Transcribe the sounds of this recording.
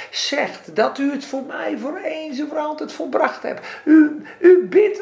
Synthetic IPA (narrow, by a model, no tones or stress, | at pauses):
sɛxtdɔtyətfoːrmɛjvoːreːnsəvəɾɔlˠtɛtfolˠbraxthɛ̰py | ybɪt